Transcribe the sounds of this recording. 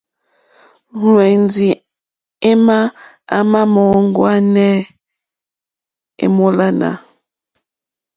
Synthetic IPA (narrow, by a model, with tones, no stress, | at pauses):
nwe˨n˦di˨ | e˦ma˦ | a˦ma˦mɔ˨˦ŋ˦ɡwa˦nɛ˦ | ḛ˦˨mo˦la˦na̰˨